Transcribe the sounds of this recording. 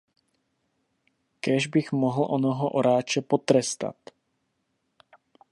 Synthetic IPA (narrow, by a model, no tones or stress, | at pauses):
kɛʒbɪxmoɦl̩ʔonoɦoʔoɾaːt͡ʃɛpot̪ɾɛst̪a̰t̪